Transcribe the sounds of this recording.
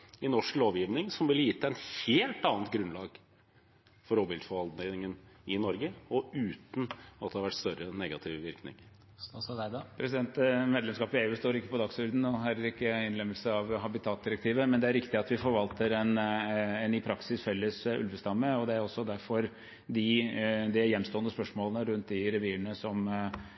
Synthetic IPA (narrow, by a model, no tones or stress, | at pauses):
ɪnɔʂkloːʋjɪʋnɪŋsɔmʋɪljɪt̪ʰːæɛnheːlt̪ɑːnt̪̚ɡɾʉnlɑːɡ | fɔɾoːbɪld̪fɔʋɑld̪nɪɪŋənɪnɔɾɡəɔʉːt̪n̩ɑt̪̚d̪ɛhɑʋæʈːst̪œɾənɛɡɑt̪ʰɪʋʋɪɾknɪ̰ŋ | pʰɾɛsɪd̪ɛnt̪meːd̪lɛmskɑːpɪeːʉːst̪oːɾɪkːə̥pɔd̪ɑksʉɾd̪n̩ɔɦæːɾæɾɪkːəɪnlɛmːəlsəɑʋɦɑbɪt̪ʰɑːt̪̚d̪ɪɾək̚t̪ʰiːʋəmɛnd̪ɛæɾɪkt̪ɪɑt̪ʋɪfɔɾʋɑlt̪əɾɛnɛnːyːpʰɾɑksɪsfɛlːəsʉ̰lʋəst̪ɑmːəɔd̪ɛæɾɔsːɔd̪æɾfɔɾ | d̪ɪd̪ɪjɛnːst̪oːənəspœʂmoːlənəɾʉnt̪d̪ɪɾɛʋiːɳəsɔm